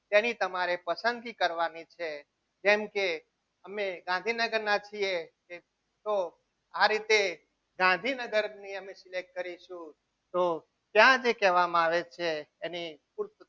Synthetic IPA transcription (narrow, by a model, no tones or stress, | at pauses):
t̪enit̪əmaɾepəsə̃nd̪̚ɡikəɾʋanit͡ʃʰe | d͡ʒɛmke | əmeɡãnd̪ʱinəɡəɾnãt͡ʃʰijeke | t̪o | aɾit̪e | ɡãnd̪ʱinəɡəɾniəmesilek̚ːəɾiʃũ | t̪o | t̪jãd͡ʒekɛʋamãaʋet͡ʃʰeːnipuɾ